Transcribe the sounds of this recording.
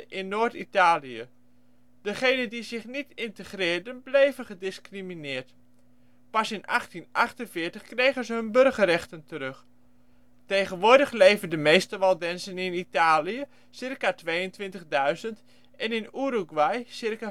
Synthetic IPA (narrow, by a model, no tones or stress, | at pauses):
ʔɪnːoːɹtitaːlijə | d̥əχejnəndizɪχnitɪntəχrɪːɹdənblejvəχədɪskriminɪːɹt | pɑsɪnɑχtinʔɑχtənvɪːɹtəχkrejχənzəɦɵnbɵrχərɛχtəntəɾɵχ | tejχənʋʊːɹdəχlejvəndəmejstəʋɑlˠdɛnsənɪnitaːlijə | sɪrkatʋejəntʋɪntəχdœɥzənt | ʔɛnɪnuːɾuɡʋajsɪrka